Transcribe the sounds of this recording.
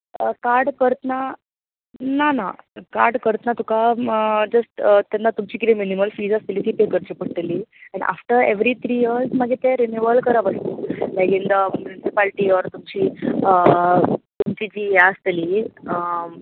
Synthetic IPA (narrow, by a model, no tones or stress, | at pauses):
əkaɾɖkəɾt̪əna | nanaka̰ɾɖkəɾt̪ənat̪ukad͡zəsʈt̪janːat̪umt͡ɕiːkit̪iminiməlfiːd͡zast̪iliːt̪ipekəɾt͡ɕepəɽʈ̪eliɛ̃ɳʔa̰fʈəɾeʋɾit̪ʰɾijəɾsmaɡet̪ɛɾenuʋəlkəɾaʋəst̪olajkind̪əmjunisipalʈiɔɾt̪umt͡ɕiːə | t̪umt͡ɕid͡ʑiːjaəst̪eliə